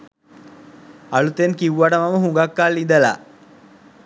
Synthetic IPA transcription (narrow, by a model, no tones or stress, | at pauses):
ɐɭut̪enkiwʋaʈɐmɐmɐɦuŋɡakːaːlːind̪ɐla̰